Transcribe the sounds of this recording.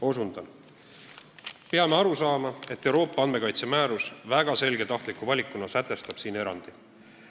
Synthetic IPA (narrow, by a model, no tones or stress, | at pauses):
o̞sund̪̥ɑn | peɑme̞ɑɾusɑːmɑe̞t̪ˑːewɾo̞ːpːɑɑnme̞kɑjt̪se̞mæːɾusvæɡ̥ɑse̞lɡ̥e̞t̪ɑht̪likuvɑlʲikːˑunːɑsæt̪ːˑe̞st̪ɑb̥siːne̞ɾɑ̰nd̪̥i